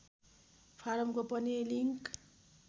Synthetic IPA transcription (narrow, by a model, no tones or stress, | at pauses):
pʰaɾʌmkopʌniliŋk